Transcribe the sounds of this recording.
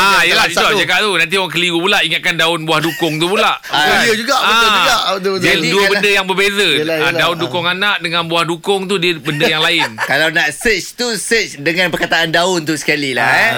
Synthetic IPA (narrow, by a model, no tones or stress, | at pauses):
ajəlait̪ulad͡ʒakaʔt̪unant̪ioaŋk̬əliɡupulaʔiŋat̪̚kandaʊnbuahdukʊŋt̪upulaʔədəd͡ʒuɡabəãdəd͡ʒuaʔədəduəbəndəjaŋbərbezəadaʊndukʊŋanãʔdəŋãnbuahdukʊŋt̪udiəbəndəjaŋlaɪnkalawnaʔsɛt͡ʃt̪usɛt͡ʃdəŋãnpərkat̪aʔandaʊnt̪usə̥kalila̰